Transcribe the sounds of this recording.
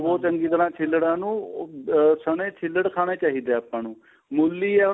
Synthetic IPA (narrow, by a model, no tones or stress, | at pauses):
bɔːt̪əŋɡiːt̪əɾaːt͡ʃʰɪlːəɽãːnũː | səɳeːt͡ʃʰɪlːəɽkʰaːɽ̃eːt͡ʃaːɦiːd̪eːaːpːãːnũː | mʊlːiːɛː